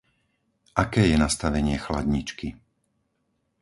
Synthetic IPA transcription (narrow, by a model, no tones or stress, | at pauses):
ʔakɛːjɛnast̪aʋɛɲɪɛxla̰d̪ɲit͡ʃki